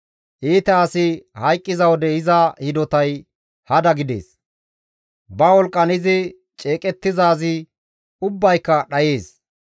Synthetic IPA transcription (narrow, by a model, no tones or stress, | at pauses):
ʔiːt̪ɛɐsɪhɐjkʼːɪzɐwɔd̪ɛɪzɐhɪd̪ɔt̪ɐj | hɐd̪ɐɡɪd̪e̞̰ːs | bɐwɔlkʼːɐnɪzɪ | t͡ʃʼe̞ːkʼɛt̪ːɪzaːzɪ | ʊbːɐjkːɐɗɐjeːs